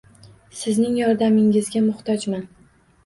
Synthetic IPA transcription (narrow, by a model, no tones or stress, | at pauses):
sɪznɪŋjɒɾd̪amɪŋɪzɡʲamʊχt̪ʰɒd͡ʒman